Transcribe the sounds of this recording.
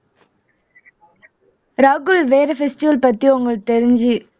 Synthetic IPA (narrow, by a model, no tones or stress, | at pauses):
ɾaːɡɯlʋeːɾɐfɛsʈɪʋɐlpɐt̪ːiʊŋɡɐɭt̪ɛɾɪɲd͡ʒi